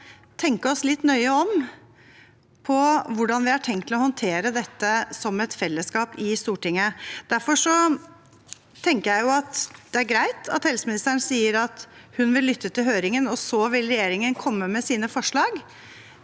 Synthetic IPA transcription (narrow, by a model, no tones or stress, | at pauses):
t̪ʰɛŋkəɔslɪt̪ːnœʏəɔm | pʰɔʋʊɖɑnʋɪhɑʈʰɛŋkt̪ʰːɪlɔhɔnt̪ʰeːɾəd̪ɛt̪ːəsɔmɛt̪fɛlːəskɑːpɪst̪uːʈɪŋːəd̪̥æɾfɔʂɔ | t̪ʰɛŋkəɾjæɪjʊɑt̪d̪̥ɛæɾɡɾæɪt̪ɑ̰t̪hɛlsəmɪnɪst̪əɳsiːəɾɑt̪hʉnʋɪlːʏt̪ːət̪ɪlɦøːɾɪŋənɔsɔʋɪlɾɛjeːɾɪŋənkʰɔmːəmɛsiːnəfɔʂɭɑːɡ